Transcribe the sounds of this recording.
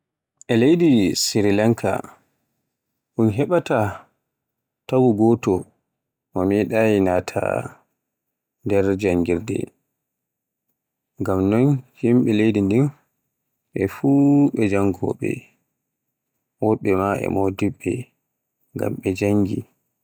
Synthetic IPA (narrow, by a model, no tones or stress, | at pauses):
ʔɛlejdisiɾilaŋkʰa̰ | ʔunɦɛɓata | tawuɡɔtɔ | mɔmɛɗajinatʰa̰ | ndɛɾd͡ʒaŋɡiɾdɛ̰ | ŋɡamnɔnhimɓɛlejdindin | ʔɛfuːɓɛd͡ʒaŋɡɔ̰ɓɛ̰ | wɔɓɛmaʔɛ̰mɔdiɓːɛ | ŋɡa̰mɓɛd͡ʒaŋɡi